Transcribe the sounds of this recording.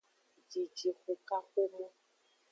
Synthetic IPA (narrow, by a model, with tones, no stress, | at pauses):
d͡ʒi˨d͡ʒi˨xo˨ka˦xo˦mɔ̃˦